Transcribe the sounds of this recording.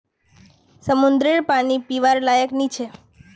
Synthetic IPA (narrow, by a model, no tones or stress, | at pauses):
səmund̪ɾeɭpanipiʋaɾlajəknit͡ʃʰe